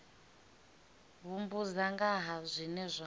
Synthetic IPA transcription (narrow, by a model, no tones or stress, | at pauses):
βumbuzaŋɡaɦazʷinɛzʷa